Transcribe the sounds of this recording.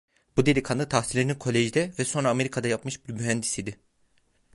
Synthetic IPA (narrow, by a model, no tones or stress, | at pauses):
bud̪e̞lʲikʰand̪at̪ʰaxsilʲeininkʰo̞lʲeʒd̪ɛvɛso̞nɾaːme̞ɾikʰad̪ajapmɯʃbiɾmyɦænd̪isid̪ɪ